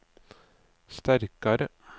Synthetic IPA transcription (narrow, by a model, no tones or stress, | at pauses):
st̪æɾkɑɾə | h